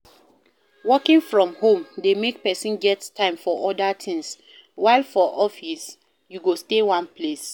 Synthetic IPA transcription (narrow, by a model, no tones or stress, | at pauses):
wɔkĩŋfɹɔ̃mhõmdemek̚pɛsĩnɡɛttʰːãɪ̃mfɔʔɔdatʰɪ̃ŋs | waɪlfɔʔɔfis | juɡostewãnpʰles